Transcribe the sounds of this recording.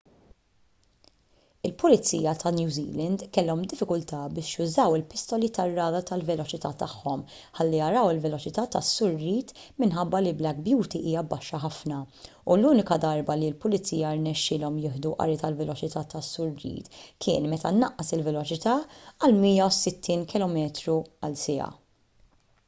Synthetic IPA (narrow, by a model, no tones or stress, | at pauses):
ɪlpʊlɪt͡sḭːjɐt̪ʰɐnjuːzḭːlɛnd̪kɛlːɔmd̪ɪfːɪkʊlt̪ɐbɪːʃjʊzɐwɪlpɪst̪ɔlit̪ɐrːɐːd̪ɐt̪ɐlvɛlɔt͡ʃɪt̪ɐt̪ɐħːɔm | ħɐlːijɐɾɐwɪlvɛlɔt͡ʃɪt̪ɐt̪ɐsːʊɾːiːt̪mɪnħɐbːɐliblɛɡ̚bjuːt̪iʔiːjɐbːɐʃːɐħɐfnɐ | uluːnɪkɐd̪ɐɾbɐlilpʊlɪt͡siːjɐɾnɛʃːɪlɔmjɪːħd̪uʔɐ̰ɾɪt̪ɐlvɛlɔt͡ʃɪt̪ɐt̪ɐsːʊɾːḭːt̪kʰɪːnmɛt̪ɐnːɐʔːɐsɪlvɛlɔt͡ʃɪt̪ɐːɐlmiːjɐwsɪt̪ʰːiːnkɪlɔmɛːt̪ɾuɐlsɛɐ̰